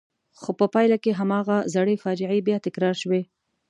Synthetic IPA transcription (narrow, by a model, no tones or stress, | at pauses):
xopəpɑjlakeɦamɑɣazaɽefɑd͡ʒɪʕajbjɑt̪ɪkɾɑɾʃwe